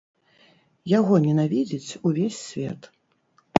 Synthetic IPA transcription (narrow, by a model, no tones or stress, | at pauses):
jaɣɔnʲɛnavʲid͡zʲit͡sʲuvʲesʲːvʲɛ̰t̪